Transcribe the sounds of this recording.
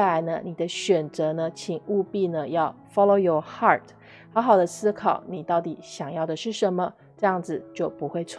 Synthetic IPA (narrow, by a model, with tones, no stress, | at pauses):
la˧˥ɪnə̰˧ni˨˩d̪ə˦ɕɥɛ˨˩nt͡sɤ˧˥nə˧t͡ɕʰi˨˩ŋu˥˧pi˥˩nə˩jɑ˥˩ʊ | fɑ˥lo˧ʊjɔ˨˩hɑ˥˩tʰ | xɑ˧˥ʊxɑ˨˩ʊd̪ə˦sɹ̩˥kʰɑ˨˩˦ʊni˨˩t̪ɑ˥˩ʊt̪i˨˩˦ɕjɑ˨˩ŋjɑ˥˩ʊd̪ə˩ʂɻ̩˥˩ʂə˧˦nmə˧ | ʈ͡ʂɤ˥˧jɑ˥˩ŋd͡zɹ̩˨˩t͡ɕjo˥˩ʊpu˧˥xwe˥˧ɪt͡sʰw